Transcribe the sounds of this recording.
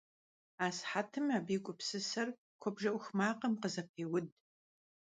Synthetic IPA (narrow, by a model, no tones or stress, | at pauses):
aːsħatʰɨmaːbiːkʷʼʊpsɨsɐr | kʷʰɔbʒɐʔʷʊxmaːqɐmqəzɐp̚ʰeːwʊd